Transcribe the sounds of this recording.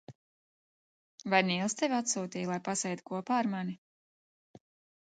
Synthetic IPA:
vajniːlˠst̪evʲat̪suːt̪iːjlˠajpasɛjt̪u̥kuɔpaːɾmani

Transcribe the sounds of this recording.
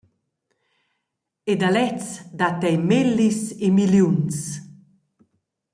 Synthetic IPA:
ed̪alɛt͡sd̪at̪ɛjmelːisemiljuns

